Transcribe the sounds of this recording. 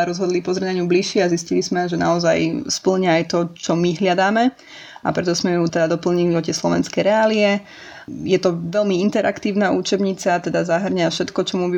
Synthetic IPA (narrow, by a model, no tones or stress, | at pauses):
ɾɔzɦɔd̪lipɔzɾɛnaɲubliʃɪɛaziscilizmɛʒɛnaɔzajspl̩ɲaajt̪ɔt͡ʃɔmiɦʎad̪aːmɛ | a̰pɾɛt̪ɔsmɛjuːt̪ɛd̪ad̪ɔpl̩ɲiliɔc̪ɛslɔʋɛ̰nskɛjɾɛaːliɛ | jɛt̪ɔʋɛlmiint̪ɛɾʔa̰kt̪iːʊnauːt͡ʃɛbɲit͡sat̪ɛd̪azaɦr̩ɲafʃɛt̪kɔt͡ʃɔmubi